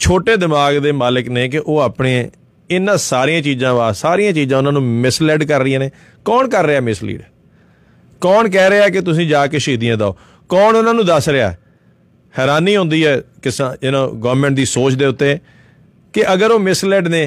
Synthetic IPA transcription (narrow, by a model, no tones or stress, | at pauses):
t͡ʃʰoːʈeːd̪ɪmaːɡd̪eːmaːləkneːk̬ɪʔoːaːpɽeː | ɪnːãːsaːɾiːãːt͡ʃiːzãːʋaːsaːɾijãːt͡ʃiːzãːʊnãːnũːmɪslɛːɖkəɾːɪjãːneː | kɔːnkəɾːeaːmɪslḭːɖ | kɔːnkɛːɾeaːk̬ɪt̪ʊs̬ĩːd͡ʒaːkeːʃiːd̪ɪjãːd̪aːo̰ː | kɔːnʊnãːnũːd̪əsɾea̰ː | hɛːɾaːniːɦʊ̃nd̪iːɛːkɪsɪnãːɡɔːɾmɛ̃ːɳʈ̚d̪iːsoːt͡ʃd̪eːʊt̪ːeː | kɪʔəɡəɾoːmɪslɛːɖneː